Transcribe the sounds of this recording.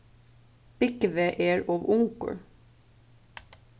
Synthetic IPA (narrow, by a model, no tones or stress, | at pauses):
b̥ɪkəʋeːʔeːɹoːʋʊŋkə̰ɹ